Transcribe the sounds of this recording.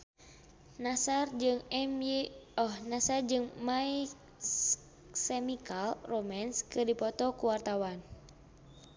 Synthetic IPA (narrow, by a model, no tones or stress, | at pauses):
nasard͡ʒɨŋɛmɔhnasard͡ʒɨŋmai | sɛmikalromanskɨrdipɔt̪ɔkuwart̪awan